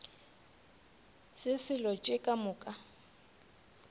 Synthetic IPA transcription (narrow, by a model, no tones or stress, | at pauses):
sɪsɪlɔt͡ʃʼekʼamʊːkʼa